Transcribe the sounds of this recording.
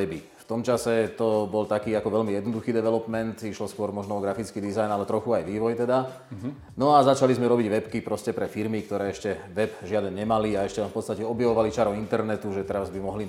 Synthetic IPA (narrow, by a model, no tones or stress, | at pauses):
ɛbi | ft̪ɔmt͡ʃasɛt̪ɔbɔlt̪akiːakɔʋɛʎmijɛd̪nɔd̪uxiːd̪ɛʋɛlɔpmɛnt̪iʃlɔskʊɔɾmɔʒnɔɔɡɾafit͡skiːd̪izajnalɛt̪ɾɔxuajʋiːʋɔjt̪ɛd̪a | nɔazat͡ʃalizmɛɾɔbiɟʋɛpkipɾɔscɛpɾɛfiɾmikt̪ɔɾɛːɛʃcɛʋɛbʒɪad̪ɛnɲɛmaliaɛʃcɛlɛfpɔt̪t͡st̪acɛɔbjaʋɔʋalit͡ʃaɾɔint̪ɛɾnɛt̪uʒɛt̪ɛɾazbimɔɦli